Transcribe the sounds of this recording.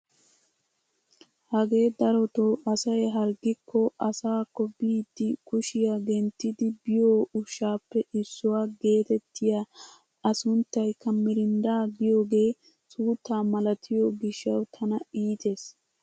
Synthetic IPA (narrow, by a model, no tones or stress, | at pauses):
hɐɡe̞ːd̪ɐɾɔt̪oʔɐsɐjɦɐɾɡɪkʰːɔʔɐsaːkːɔbiːd̪ːɪkʊʃɪjaɡɛnt̪ːɪd̪ɪbɪjoːʊʃːaːpːɛɪsːʊwaːɡe̞ːt̪ɛt̪ːɪja | ɐsʊnt̪ːɐjkʰɐmːɪɾɪnd̪aːɡɪjo̞ːɡe̞ː | suːt̪ːaːmɐlɐt̪ʰɪjoɡɪʃːɐwt̪ʰɐnɐiːt̪ʰe̞ːs